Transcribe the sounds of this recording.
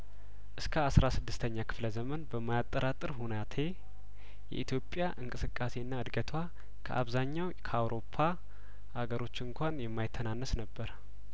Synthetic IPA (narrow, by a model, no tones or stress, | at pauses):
ʔɨskʰəasɾasɨd̪ːɨst̪ʰəɲːakʰɨ̥fləzəmənbəmːajat̪ʼːəɾat̪ʼɨɾɦunat̪ʰe̞ | jɛ̰ʔit̪jo̞pʼːjaʔɨŋkʼɨsɨkʼːase̞ɨnːaɨd̪ɡət̪ʰwa | kʰə̰ʔa̰βzaɲːawkʰəawɾo̞pʰːa | haɡəɾo̞t͡ʃːɨŋkʷanjɛmːajt̪ʰːənanːəsnəbːəɾ